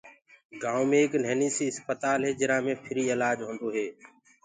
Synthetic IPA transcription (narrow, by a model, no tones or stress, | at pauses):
ɡaːwmẽːknɛːniːsiːɦɪspət̪aːlɦeːd͡ʒɪɾaːmẽːpʰɪɾiːɪlaːd͡ʒɦõːnd̪oːɦeː